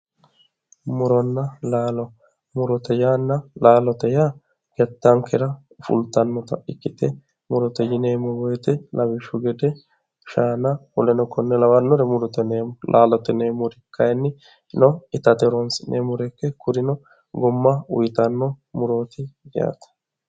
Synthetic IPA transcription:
mʊɾɔnːɐlaːlɔ | mʊɾɔt̪ɛjanːɐlaːlɔt̪ɛjaː | ɡ̥ɛt̪ːɐŋkɛɾɐ | ʊfʊ̰lt̪ːɐnːɔt̪ɐ̰ʔɪkːɪt̪ɛ | mʊɾɔt̪ɛjɪneːmɔwɔjɛt̪ɛlɐbɪʃːʊɡɛd̪ɛ | ʃaːnɐɔlɛnɔkːɔnːɛlɐwɐnːɔɾɛmʊɾɔt̪ɛneːlʔaːlɔt̪ɛneːmʊɾɪkʰːɐjnːɪ | nɔɪt̪ɐt̪ɛɾɔnsɪnʔeːmʊɾɛkːɛkʊɾɪnɔ | ɡɔmːɐʊ̰jt̪ɐnːɔmʊɾoːt̪ɪɡɪa̰ːt̪ɐ̥

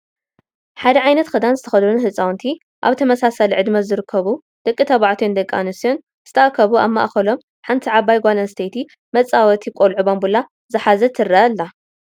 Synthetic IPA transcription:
ħad̪ɐʕajnɐt̪xʰɨd̪anzɨt̪ʰɐ̥xɐd̪unhɨt͡sʼawnt̪ʰi | ʔa̰βt̪ʰɐmɐsasalʕɨd̪mɐzɨɾɨkʰːɐβu | d̪̥ɐkʼːit̪ʰɐβaʕt̪ʰjnd̪ɐkʼːa̰nɨsion | zɨ̥t̪ʰɐʔakʰːɐβuaβmːa̰ʔxɐlo̞m | ħant̪ʰiʕaβajɡʷalɐnst̪ʰejt̪ʰi | mɐt͡sʼawɐt̪ʰikʼolʕubombula | zɨħazɐt̪ʰɨɾːɐʔɐlːa

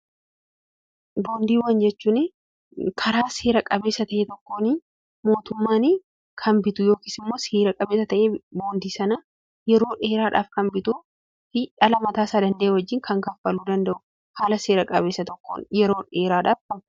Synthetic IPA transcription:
bo̞ːnd̪iːwɐnd͡ʒɛt͡ʃːuːnɛ | kʰɐɾaːseːɾɐkʼɐbe̞ːsɐt̪ɐʔet̪ɔkːo̞ːnɪ | mo̞ːt̪ʊmːaːnɪ | kʰɐnbɪt̪ʊjo̞ːkiːsɪmːo̞ːseːɾɐkʼɐbe̞ːsɐt̪ɐʔeːboːnd̪iːsɐnɐ | jɛɾo̞ːᶑe̞ːɾaːᶑa̰ːfkɐmbɪt̪uː | fɪᶑɐlɐmɐt̪aːsaːd̪ɐnd̪ɐʔeːwɐd͡ʒːɪːŋkʰɐŋkɐfːɐluːd̪ɐnd̪ɐʔʊ̥ | haːlɐseːɾɐkʼɐβe̞ːsɐt̪ɔkːo̰ːnjɛɾo̞ːᶑeːɾaːᶑaːfɐkʊ

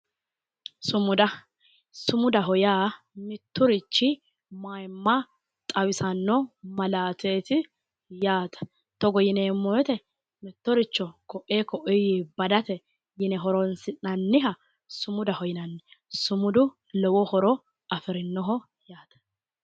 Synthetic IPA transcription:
sʊmʊd̪ɐ | sʊmʊd̪ɐɦɔjaː | mɪt̪ːʊɾɪt͡ʃːɪ | majmːɐ | t̪ʼɐwɪsɐnːɔmɐlaːt̪eːt̪ɪ | jaːt̪ɐ̥ | t̪ɔɡɔjɪneːmːɔjɔt̪ɛ | mɪt̪ːɔɾɪt͡ʃːɔkɔʔːeːkɔʔɔjɪbɐd̪ɐt̪ɛ | jɪnɛɦɔɾɔnsɪnɐnːɪɦɐ | sʊmʊd̪ɐhɔjɪnɐnːɛsʊmʊd̪ʊ | lɔwɔhɔɾɔ | ɐfɪɾɪnːɔɦɔ | jaːt̪ɐ̥

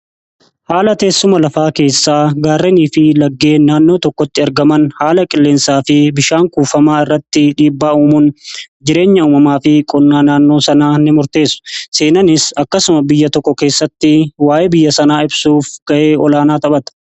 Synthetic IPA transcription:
haːlɐt̪e̞ːsːʊmɐlɐfaːke̞ːsːaːɡaːrːeniːfɪlɐɡːe̞ːnaːnːo̞ːt̪ɔkːɔt̪ːɪɐɾɡɐmɐnhaːlɐkʼɪlːeːnsaːfɪbɪʃaːŋkuːfɐmaːɪrːɐt̪ːɪᶑiːbːaːuːmʊnd͡ʒɪɾe̞ːɲːɐuːmɐmaːfɪkʼɔnːaːnaːnːo̞ːsɐnaːnːɪmʊɾt̪e̞ːsʊ̥se̞ːnɐnɪsɐkːɐsʊmɐbɪjːɐt̪ɔkːɔke̞ːsːɐt̪ːɪwaːjɛbɪjːɐsɐnaːɪbsuːfɡ̥ɐʔe̞ːɔlaːnaːt̪ɐbɐt̪ɐ̥

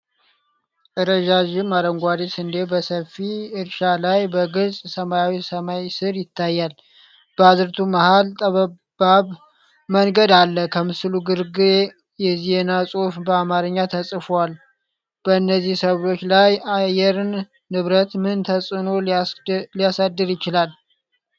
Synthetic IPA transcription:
ɨɾəʒaʒɪmaɾəŋɡʷad̪esɨnd̪ebəsəfiɨɾʃalajbəɡɨlsʼsəmajawisəmajsɨɾjɪt̪ʰːajːal | b̥əazɨɾt̪ʰumahalt̪ʼəβ | baβ | məŋɡəd̪alːəkʰəmɨsɨluɡɨɾɡɨ | jɛzenasʼofbəamaɾɨɲːat̪ʰəsʼɨfwal | b̥əɨnːəzːihsəβɾo̞t͡ʃːlajajɛɾɨnː | ɨβɾət̪mɨnt̪ʰəsʼɨno̞ | lijasad̪ːɨɾjɪt͡ʃɪlal

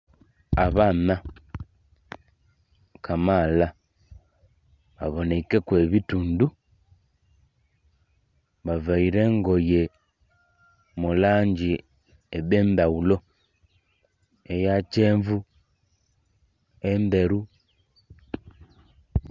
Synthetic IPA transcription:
aβaːna | kʰamala | βa̰βo̞nekekweβituːndu | βavaiɾeːŋɡo̞je | mulaːɲɟi | eβeːndaulo̞ | ejat͡ʃeːɱvu | embe̞ɾu

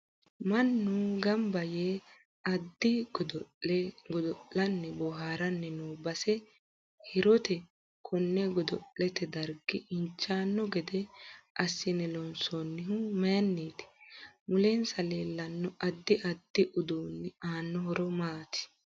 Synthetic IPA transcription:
mɐnːuɡɐmbɐjeː | ɐd̪ːɪɡɔd̪ɔɡɔd̪ɔʔɐnːɛbɔɦaːɾɐnːɛnuːbɐsɛ | hɪɾɔt̪ɛ | kʰɔnːɛɡɔd̪ɔʔːɛt̪ɛd̪ɐɾɡɪɪɲt͡ʃːaːnːɔɡɛd̪ɛɐsːɪnɛlɔnsonːɪɦʊmɛnːiːt̪ɪ̥mʊleːnsɐleːlːɐnːɔʔɐd̪ːɪʔɐd̪ːɪʔʊd̪uːnːɪaːnːɔhɔɾɔmaːt̪ɪ̥

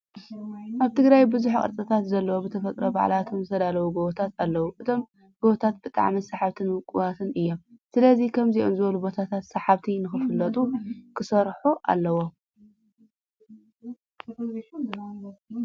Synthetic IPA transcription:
ʔaβt̪ʰɨɡɾajbɨzuħkʼɐ̰ɾt͡s̪ʼɨt̪ʰat̪zɐlːɐwobɨt̪ʰɐfɐt̪ʼɾoba̰ʕ̰lat̪ʰomzɨt̪ʰɐd̪alɐwuɡoβɐt̪ʰat̪alːɐwuʔɨt̪ʰo̞m | ɡ̥oβt̪ʰat̪̚bɨt̪ʼa̰ʕmisaħaβt̪ʰɨnwɨkʼuβat̪ʰɨnɨjːo̞msɨlɐzikʰɐmziʔo̰nzɨβɐlubo̞t̪ʰat̪ʰat̪saħaβt̪ʰinɨxɨfɨlːɐt̪ʼukʰɨsɐɾħuʔa̰lːɐwo

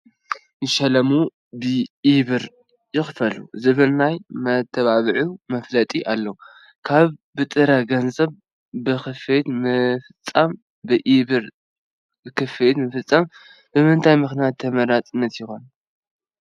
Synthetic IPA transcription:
jɨʃɐlɐmu | bɨʔiβɨɾ | jɪxfɐlṵzɨβɨlnajmɐt̪ʰːɐβaβɨʕumɐflɐt̪ʼiʔalːɐ | kʰaβbɨt̪ʼɨɾaɡɐnzʼɐβ | bɨxɨfet̪mɨfɨt͡sʼːam | bɨʔiβɨɾ | bɨkʰɨfet̪mɨfɨt͡sʼːam | b̥ɨmɨnt̪ʰajmɨxnijat̪ʰːɐmɐɾat̪ʼɨnːɐt̪jɪxon

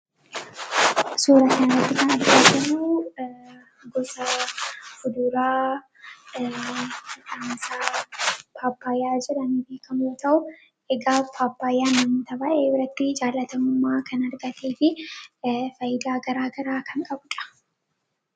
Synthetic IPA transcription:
suːɾɐkɐnɐɐt̪ːɪkɐnɐɾɡadɐmu | ɡɔsɐ | hʊd̪ʊɾaː | ɪtaːnsa | pʰaːpːaːjːaːd͡ʒɪɾɐnbeːkʰɐmoːt̪ɐʔʊ | ɛɡaːpʰaːpːaːjːaːnːɐmʊt̪ɐbaːʔeːbɪɾɐt̪ːɪd͡ʒaːlːɐt̪ɐmʊmːaːkɐnɐɾɡɐt̪ʰeːfɪ | fɐjɪd̪aːɡɐɾaːɡɐɾaːkɐŋkʼɐbʊᶑɐ̥

